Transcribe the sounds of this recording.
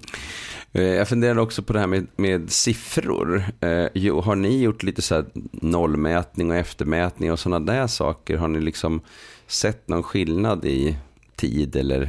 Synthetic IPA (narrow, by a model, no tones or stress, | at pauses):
jɑɡfɵnd̪eːɾad̪əɔksɔpʰɔd̪ɛhæːɾmɛmeːd̪sɪfɾʊ̰ɾjuːɦaɳɪjʊʈːliːt̪əsɔæːnɔlːmɛːt̪nɪŋɔɛft̪əɾmɛːt̪nɪŋɔsɔnːad̪æʂɑ̰ːkəɾɦaɳɪlɪksɔmsɛt̪ːnɔnɧɪlnad̪ɪ | t̪ʰḭːd̪ɛlːə̰ɾ